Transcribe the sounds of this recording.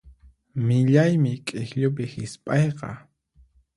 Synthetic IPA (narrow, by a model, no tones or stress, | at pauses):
mɪʎajmɪkʼɪxʎʊp̬ɪhɪspʼɑjqɑ̰